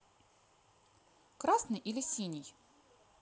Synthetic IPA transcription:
kɾasnɨjʔilʲɪsʲinʲɪj

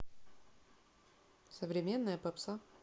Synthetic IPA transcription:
səvɾʲɪmʲe̞nːəjəpɐpsa

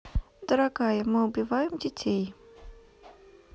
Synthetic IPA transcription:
d̪̥əɾaɡajəmɨʊbʲɪvajɪmdʲɪtʲej

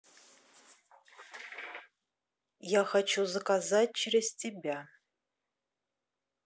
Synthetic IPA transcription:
jaxɐt͡ʃʰuzɨkʼazat̚ʲt͡ʃʰɪreztʰibʲa

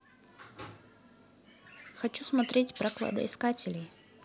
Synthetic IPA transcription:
xɐt͡ʃusmɐt̪ɾʲetʲpɾɐklˠa̰d̪ɐ̰iskatʲɪlʲij

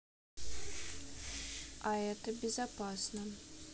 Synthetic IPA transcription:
aɛt̪əbʲɪzapasnə

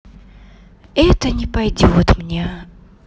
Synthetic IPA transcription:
ɛt̪ənʲɪpɐjdʲot̪mnʲe

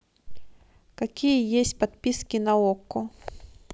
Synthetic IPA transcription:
kakʲijəjesʲtʲpat̪pʲiskʲinɐɔkːʊ

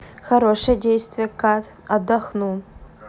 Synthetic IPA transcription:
xɐɾoʂəjdʲejst̪vʲɪjəkat̪ | ɐd̪ɐxnu

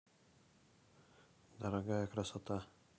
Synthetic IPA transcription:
d̪aɾaɡaɛkɾasɔt̪a

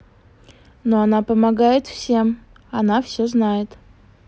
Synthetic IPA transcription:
no̞ɐnapəmɐɡajɪt̪fsʲe̞m | ɐnafsʲoznajɪt̪

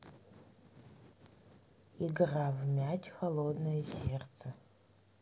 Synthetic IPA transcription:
iɡɨraːvmʲaːtʰʲxɐlˠoːdnɐjɛseːrt͡sʰɐ

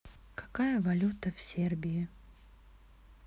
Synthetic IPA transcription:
kɐ̥kajəvɐlʲut̪əfsʲerbʲɪjɪ

